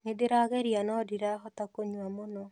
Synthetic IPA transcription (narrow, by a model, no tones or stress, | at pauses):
nedeɾaɣɛɾianɔdiɾaɦɔtakoɲwamonɔ